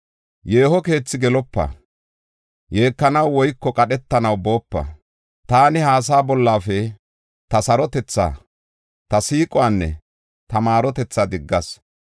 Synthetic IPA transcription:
je̞ːhɔke̞ːt͡sːɪɡɛlɔpːɐ̰ | je̞ːkːɐnɐwwɔjkːɔkʼɐɗɛt̪ːɐnɐwbo̞ːpːɐ̰ | t̪aːnɪhaːs̬aːbɔlːaːfɛ | t̪ɐsɐɾɔt̪ɛt͡sːa̰ː | t̪ɐsiːkʼʊwanːɛ̰ | t̪ɐmaːɾɔt̪ɛt͡sːad̪ɪɡːɐs

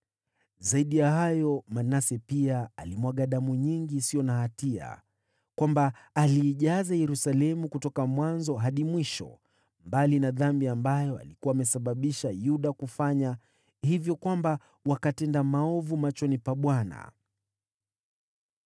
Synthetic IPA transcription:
zaiɗijahajɔmanasɛpiaalimwaɠaɗamuɲiŋɡisiɔnahatia̰ | kwambaːliːʄazajɛɾusalɛmukutɔkamwanzɔɦaɗimwiʃɔ̰ | mbalinaðambiambajɔa̰likuwaːmɛsaɓaɓiʃajuɗakufaɲa | hivjɔkwamba | wakatɛndamaɔvumat͡ʃɔnipaɓwana̰

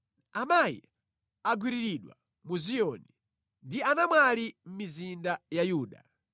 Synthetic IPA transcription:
amajḭ | aɡwiɾiɾiɗwa̰ | muzijɔni | ndianamwalim̩mizindajajuːɗa

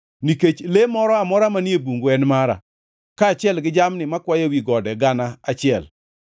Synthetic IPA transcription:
niket͡ʃlemɔɾɔamɔɾamanjebuŋɡoɛnmaɾa̰ | kaːt͡ʃɪɛlɡɪd͡ʒamnɪmakwajawiɡɔdɛɡanaat͡ʃɪɛl

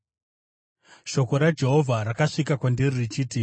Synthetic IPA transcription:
ʃo̞ko̞ɾad͡ʒe̞ɦo̞vʱaɾakaʂikakwandiririt͡ʃiːti

